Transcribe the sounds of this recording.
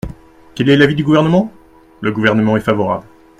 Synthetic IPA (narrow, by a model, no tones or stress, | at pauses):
kɛlɛlavid̪yɡuvɛʁnəmɑ̃ | ləɡuvɛʁnəmɑ̃ɛfavɔʁa̰bl